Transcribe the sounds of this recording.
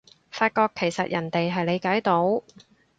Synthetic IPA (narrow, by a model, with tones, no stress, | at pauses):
faː˧t̚kɔː˧kʰːe˨˩jsɐ̰˨t̚jʔɐ˨˩nt̪e˨jɦɐ˨jle˨˧jkaː˨˥jt̪o˨˥w